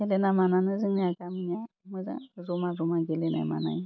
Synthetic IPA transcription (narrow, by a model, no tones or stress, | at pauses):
elenamananɨzɨŋniakamiɲaməza̰zomazomaɡelena̰ma̰na̰ɲi